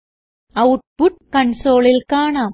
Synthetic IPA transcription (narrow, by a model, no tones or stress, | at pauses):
ɐwʈ̚puʈ̚kɐɳsoːlilkaːɳaː